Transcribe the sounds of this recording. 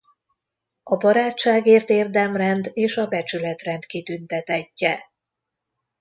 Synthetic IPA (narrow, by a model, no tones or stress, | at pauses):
ɒbɒɾaːt͡ʃt͡ʃːaːɡeːrt̪eːrd̪ɛmrɛnd̪eːʃɒbɛt͡ʃylɛt̪rɛnt̪kit̪ynt̪ɛt̪ɛcːɛ